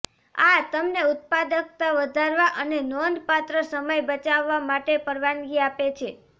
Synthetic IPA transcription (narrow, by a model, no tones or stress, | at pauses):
at̪əmneʊt̪̚pad̪ək̚t̪aʋəd̪ʱaɾʋaʔənenɔnd̪pat̪ɾəsəməjbət͡ʃaʋːamaʈepəɾʋanɡiapet͡ʃʰe